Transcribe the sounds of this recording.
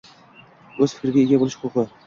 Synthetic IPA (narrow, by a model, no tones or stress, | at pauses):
ɵz̥fɪ̥kʲɾɪɡʲaeɡʲabolˠɪʃhʊqʊqɨ